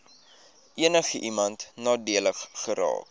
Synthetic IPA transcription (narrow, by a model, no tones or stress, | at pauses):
ʔiənəχəʔimɐntnɑːdiələχːəɾɑ̰ːk